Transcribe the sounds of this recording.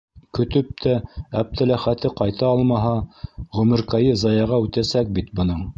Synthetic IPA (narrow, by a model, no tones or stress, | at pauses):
kɵ̆t̪ɵp̚t̪ʰææp̚t̪ʰælæχæt̪ɘqɑjt̪ɑɑlˠmɑɦɑʁɵ̆mɘ̆ɾkæjɤzɑjɑʁɑʉt̪æsæk̚bit̪bɤ̆nɤɴ